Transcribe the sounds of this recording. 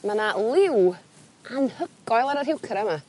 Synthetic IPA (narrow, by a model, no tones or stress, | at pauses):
manalˠɪw | anhəɡ̥ɔjlˠaɾərɦɪwkʰɾɛma